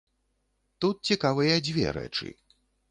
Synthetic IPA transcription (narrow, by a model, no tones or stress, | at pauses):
t̪ut̪̚t͡sʲikavɨjɐd͡zʲvʲɛ̰ɾɛ̰t͡ʂɨ̰